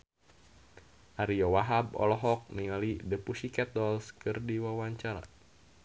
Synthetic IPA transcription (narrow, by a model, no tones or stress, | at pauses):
ʔaɾijɔwaɦabɔ̰lɔɦɔk̚niŋalidəpusikɛt̪ɔlskɨrdiwawaɲt͡ʃaɾa̰